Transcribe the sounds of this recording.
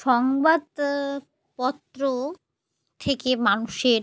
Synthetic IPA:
ʃɔŋbad̪ | pɔt̪ːɾo | t̪ʰekemanuʃeɾ

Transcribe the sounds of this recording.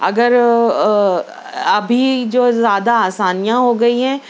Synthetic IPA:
ɐ̰ɡəɾ | ɐbʱid͡ʒoːzjaːd̪aaːsaːnijãɦoɡɐiɦɛ̃ː

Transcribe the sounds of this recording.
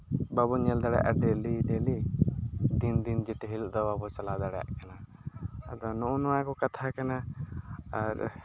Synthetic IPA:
babɔɲɛld̪aɽɛja̰ʔaɖɛliɖeli | d̪ind̪ind͡ʒɛt̪ɛɦiluʔd̪ɔbabɔt͡ʃalad̪aɽɛja̰ʔkana | ad̪ɔnɔʔɔnɔwakɔkat̪ʰakana | aɾ

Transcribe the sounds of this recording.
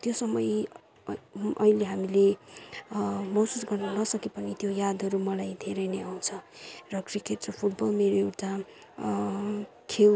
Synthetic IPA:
t̪josʌmʌj | ʔʌ̰ileɦamile | mʌsusɡʌrnʌnʌsʌkepʌnit̪jojad̪ʱɦʌɾumʌlajd̪ʱeɾʌjneaw̃t͡sʰʌrʌkrikeʈrʌpʰuʈbʌlmeɾoewʈa | kʰel

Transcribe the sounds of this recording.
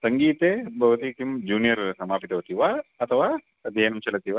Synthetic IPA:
sɐŋɡiːt̪ebʱɐʋɐt̪iʈ̪imd͡ʒuːnijɐɾsɐmaːpit̪ɐʋɐt̪iʋaːɐt̪ʰɐʋaː | ɐd̪ʱjɐjɐnɐmt͡ʃɐlɐt̪iʋa

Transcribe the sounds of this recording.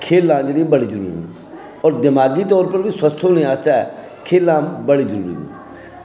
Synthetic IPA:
kʰeːlãːd͡ʒeːɽĩbəɽiːd͡ʒəɾṵːɾḭːɦṵ̃ | ɔːɾd̪ɪmaːɡiːt̪ɔːɾpəɾbiːsəst̪ʰõːnĩːaːst̪aːɛ | kʰeːlːãːbəɽiːd͡ʒəɾṵːɾḭṵ̃ː

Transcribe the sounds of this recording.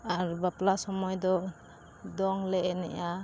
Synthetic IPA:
aɾbaplasɔmɔjd̪ɔ | d̪ɔŋleenɛ̰ja

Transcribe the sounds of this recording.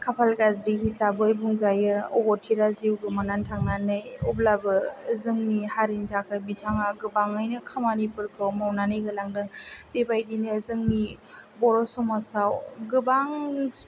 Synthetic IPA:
kʰapʰalɡazɾihisabɯjbuŋzajɯɔbɔtʰiɾaziwɡɯmanantʰaŋnanɯjɔblabɯzɯŋnihaɾintʰak̚abitʰaŋaɡɯbaŋɯjnɯkʰamanipɯɾkʰɯwmawnanɯjɡɯlaŋdɯŋbebajdinɯzɯŋnibɔɾɔsumasawɡɯbaŋ

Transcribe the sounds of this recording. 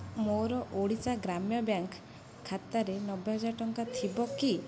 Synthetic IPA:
moɾɔʔoɽit͡ʃaɡɾamjɔbjaŋk | kʰːat̪aɾenɔbjeɦɔd͡ʒaɾɔʈɔŋkat̪ʰibɔki

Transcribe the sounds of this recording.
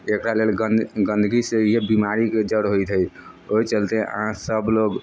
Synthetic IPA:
ekɾalelɡɡənd̪ʱɡisejebimaɾiked͡ʒəɽɦojt̪ʰəj | ojt͡ʃəlt̪eʔə̰ɦãsəbloɡ

